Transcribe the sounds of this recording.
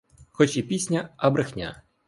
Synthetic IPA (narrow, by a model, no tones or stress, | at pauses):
xɔt͡ʃipʲisʲnʲɐɐbɾɪxnʲa̰